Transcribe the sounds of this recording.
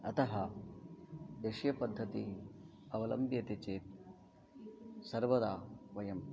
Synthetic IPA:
ɐt̪ɐɦɐ | d̪eʃjɐpɐd̪ʱːɐt̪i | ɐʋɐlɐmbjɐt̪it͡ʃeːt̪̚ | sɐɾʋɐd̪aːʋɐjɐm

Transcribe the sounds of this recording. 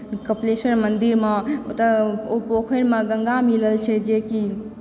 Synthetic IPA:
kəplesəɾmənd̪iɾmeot̪əopokʰənmeɡəŋɡamiləlt͡ʃʰɛd͡ʒeki

